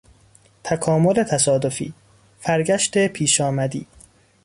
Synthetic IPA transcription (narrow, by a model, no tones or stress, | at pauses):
t̪ʰækʰɒːmolet̪ʰæsɒːd̪ofḭː | fæɾɡæʃt̪epʰiːʃɒːmæd̪ḭː